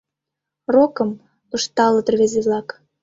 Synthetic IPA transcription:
rokə̆m | ə̆ʃt̪ɑlɤ̆t̪ərβezeβlɑk

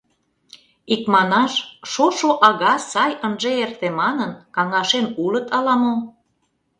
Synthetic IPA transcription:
ikmɑnɑʃʃoʃoʔɑɣɑsɑjənʒeert̪emɑnənkɑŋɑʃenulət̪ɑlɑmom

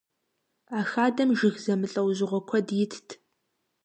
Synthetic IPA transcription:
aːxaːdɐmʒɪxzɐmɨɬʼɐwʑɪʁʷɔkʷʰɔdjɪtʰtʰ

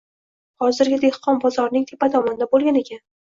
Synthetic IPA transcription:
hɒzɪɾɡʲɪd̪e̞hqʰɒnbɒzɒɾnɪŋt̪ʰepad̪ɒmɒnɪd̪abolˠɡʲane̞kʲʰan

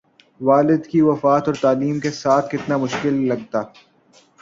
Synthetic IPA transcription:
ʋaːlɪd̪kiʋɐfaːt̪ɔːɾt̪aːliːmkesaːt̪ʰkɪt̪namʊʃkɪlːɐɡ̚t̪aː

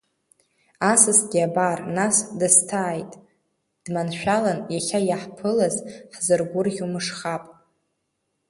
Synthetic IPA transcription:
asɨsɡʲiabarnasdɨstʰaːjtʼ | d̥manʃʷᶣalanjaχʲajaħpʰɨlazħzɨrɡʷʊrχʲumɨʂχapʼ

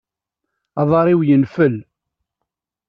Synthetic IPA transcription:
ɑðˤɑɾˤiwjənfəl

